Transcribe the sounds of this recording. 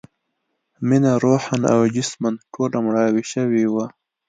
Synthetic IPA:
minaɾoːħana̰wd͡ʒɪsmanʈʰoːlamɽɑːwiʃəwiwa

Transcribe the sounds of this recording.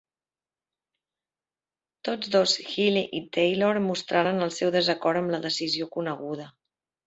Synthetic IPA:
t̪od͡zðosxiliʔit̪ejloɾmust̪ɾaɾənəlˠsɛwðəzəkɔɾəmləðəsiziokunəɣuð̞ə

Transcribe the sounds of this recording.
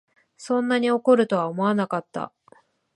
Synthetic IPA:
sõ̞nːaɲ̟io̞ko̞ɾɯ̟t̪o̞βaomo̞anakat̪ːa̰

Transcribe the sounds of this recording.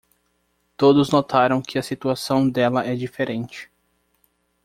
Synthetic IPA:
t̪od̪ʊznot̪aɾɐ̃w̃kʰɪɐsit̪uasɐ̃w̃d̪ɛlɐɛd͡ʒifeɾẽnt͡ʃɪ̥

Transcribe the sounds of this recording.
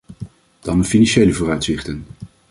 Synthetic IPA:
d̥ɑnəfinɑnʃejləvʊːrœɥtsɪχtən

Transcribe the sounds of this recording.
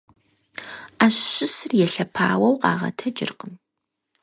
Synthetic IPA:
aːɕɕʊsɨrjɛɬɐpʰa̰ːwɐwqɑ̰ːʁɐ̰tʰɐd͡ʒʼɪ̰rqəm

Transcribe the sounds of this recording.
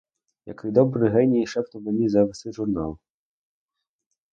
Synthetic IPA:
jɐ̰kʋid̪ɔbɾɪɦɛnʲijiʃɛpt̪ɔmenʲizɐʋɪsˠɪʒʊrnɑlˠ

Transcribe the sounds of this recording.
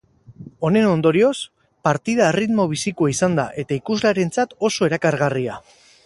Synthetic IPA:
o̞ne̞no̞nd̪o̞ɾio̞s | paɾt̪iðaerit̪mo̞β̞isikoaisand̪a̰ʔe̞t̪aikuzlaɾe̞nt͡sat̪o̞so̞e̞ɾakaɾɣaria

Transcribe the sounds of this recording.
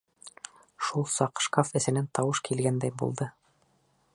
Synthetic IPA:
ʃulˠsɑqʃkafɘ̆sɘ̆nænt̪ɑwɤʃkʰilɡænd̪æjbṵlˠd̪ɤ

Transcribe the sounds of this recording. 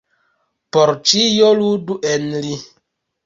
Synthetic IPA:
poɾt͡ʃijoluduʔenli

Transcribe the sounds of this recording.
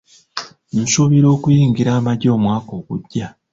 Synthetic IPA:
n̩soβiɾo̞ːkujiːŋɡiɾaːmaɟo̞ːmwaːko̞ːɡuɟːa

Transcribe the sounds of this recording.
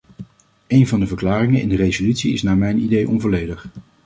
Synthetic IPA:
ejnvɑndəvəɹklaːrɪŋəɪ̰ndərejzolytsiɪ̰snaːɹmɛjnidejʔɔnvɔlejdəχ

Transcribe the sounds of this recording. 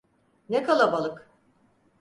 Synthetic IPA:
nekʰalˠabalˠɯk

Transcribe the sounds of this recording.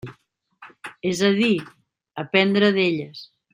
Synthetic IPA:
ɛzaði | apɛnd̪ɾaðeʎəs

